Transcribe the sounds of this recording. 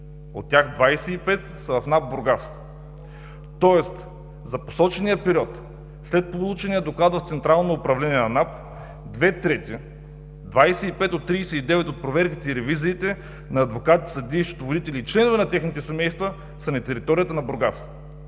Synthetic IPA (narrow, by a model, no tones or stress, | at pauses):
ot̪ːʲaxd̪vajsɛipɛt̪ | sɐvɐfnap̚boɾɡas | t̪ɔɛst̪ | zɐpo̥sɔt͡ʃɛnijəpɛɾʲiɔt̪ | slɛt̪̚polˠut͡ʃɛnijəd̪oklˠad̪vɐft̪sɛnt̪ɾalˠnoːpɾɐvlɛniɛnɐnap | d̪vɛt̪ɾɛt̪ʲi | d̪vajsɛipɛt̪ot̪ːɾiːsɛid̪ɛvɛt̪ot̪̚pɾovɛɾkit̪ɛiɾɛviziːt̪ɛ | nɐːd̪vokat̪i̥sɐd̪iːʃo̥t̪ovod̪it̪ɛlʲiːt͡ʃlɛnovɛnɐt̪ʲɛxnit̪ɛsɛmɛjst̪və | sɐnɛt̪ɛɾit̪ɔɾijət̪ənɐboɾɡas